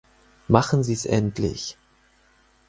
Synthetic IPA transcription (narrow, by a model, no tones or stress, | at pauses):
maχn̩ziːsʔɛ̰ntʰlɪ̰ç